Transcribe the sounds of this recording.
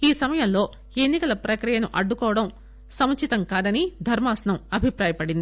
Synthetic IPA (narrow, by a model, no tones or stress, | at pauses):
iːsɐmɐjɐmlo̞ː | e̞nːikɐlɐpɾɐkɾijɐnuʔɐɖːukɔːʋɐɽɐm | sɐmɐt͡ʃit̪ɐmkaːd̪ɐnid̪ʱɐɾmaːsɐnɐmɐbʱipɾaːjɐpɐɽind̪i